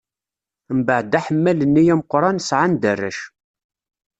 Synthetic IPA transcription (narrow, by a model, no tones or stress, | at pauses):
mbəʕd̪æħəmːælənːijæməqɾˤɑnsʕand̪ərːæ̰ʃ